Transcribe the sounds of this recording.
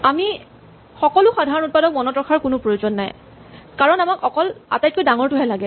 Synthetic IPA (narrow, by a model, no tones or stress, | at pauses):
ami | xɔkɔlʊxadʱaɹɔnut̚padɔk̚mɔnɔtɹɔkʰaɹkʊnʊpɹojozɔnːaj | kaɹɔnamakʰɔkɔla̰tajt̚kojdaŋɔɹtʊɦɛlaɡɛ